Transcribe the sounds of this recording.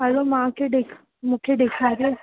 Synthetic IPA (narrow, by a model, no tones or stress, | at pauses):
ɦəlomãkʰeɗeːkʰ | mũːkʰeɗeːkʰaːɾe